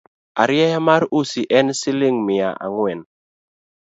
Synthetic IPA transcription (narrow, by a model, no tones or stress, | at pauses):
aɾjɛjamaɾusiʔɛnsɪlɪŋmɪa̰ʔa̰ŋwɛn